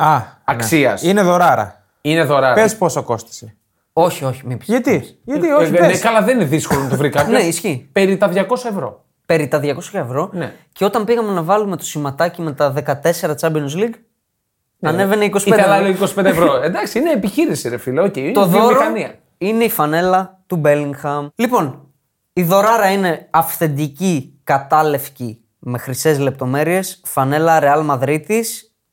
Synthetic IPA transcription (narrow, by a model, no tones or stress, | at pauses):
ɐɐksiɐsineðo̞ɾɐɾɐ̰ | ineðo̞ɾɐɾpesposɐko̞st̪i̥se | o̞çio̞çi̥mipɐt̪iʝɐioeeskɐlɐðenineðiskolonɐt̪ovɾikɐpnoeisçipeɾit̪ɐðʝɐko̞sɐevɾo̞̰ | pe̞ɾit̪ɐðʝɐko̞scɐevɾo̞nḛceo̞t̪ɐmbiɣɐme̞nɐvɐlume̞t̪o̞simɐt̪ɐcime̞t̪ɐðe̞kɐt̪e̞se̞ɾɐt͡sɐbinuzliɡ | nɐne̞veneiko̞sieɐloikosi̥pend̪evɾoend̪ɐksiineːpiçiɾisiɾefilɐoceint̪ðomiɾoɐniɐ | ine̞ifɐne̞lɐt̪ube̞liŋxɐmlipo̞n | iðo̞ɾɐɾɐine̞ɐfθe̞nd̪icikɐt̪ɐle̞fci | me̞xɾisezle̞p̚t̪o̞me̞ɾie̞sfɐne̞lɐɾe̞ɐlmɐðɾit̪is